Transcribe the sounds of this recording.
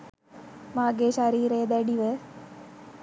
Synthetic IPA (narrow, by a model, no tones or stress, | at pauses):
maːɡeːʃaɾiːɾejd̪æɖiʋə